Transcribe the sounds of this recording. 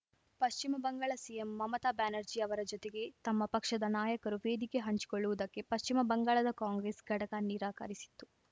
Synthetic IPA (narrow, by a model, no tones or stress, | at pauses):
pɐʃt͡ʃimɐbɐŋɡaːɭɐsijemːɐmɐt̪aːbaːnɐɾd͡ʒiɐʋɐɾɐd͡ʒot̪eɡe̞t̪ɐmːɐpɐkʂɐd̪ɐnaːjɐkɐɾuʋeːd̪ikeɦɐɲt͡ʃi̥koɭːuʋud̪ɐkːe̞pɐʃt͡ʃimɐbɐŋɡaːɭɐd̪ɐkaːŋɡɾeːsɡʱɐʈɐkaniːɾaːkɐ̰ɾisi̥t̪ːu